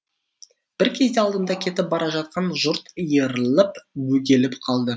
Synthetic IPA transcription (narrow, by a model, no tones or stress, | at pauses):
b̥ɪɾkʲʰe̞zd̪eɑlˠd̪ənd̪ɑkʲʰe̞t̪ɪp̚bɑɾɑʒɑt̪̚qɑnʒʊɾt̪əjəɾəlˠəpwɵɡʲe̞lɪpqʰɑlˠd̪ə